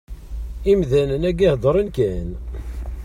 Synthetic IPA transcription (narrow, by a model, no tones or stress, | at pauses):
imðænənæɡihd̪ˤəɾˤənkæn